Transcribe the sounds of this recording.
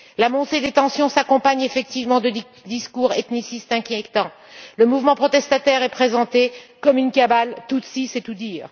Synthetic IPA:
lamɔ̃sed̪et̪ɑ̃sjɔ̃sakɔ̃paɲefɛk̚t̪ivmɑ̃d̪ə | d̪iskuʁet̪nisist̪ɛ̃kʲjɛt̪ɑ̃ | ləmuvmɑ̃pχɔt̪ɛst̪at̪ɛʁɛpχezɑ̃t̪ekɔmynkabalt̪ut̪sisɛt̪ud̪iːʁ

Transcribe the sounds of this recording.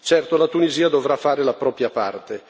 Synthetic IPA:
t͡ʃɛrt̪olat̪uniziːad̪ovɾafːaːɾelapɾɔːpɾjapart̪e

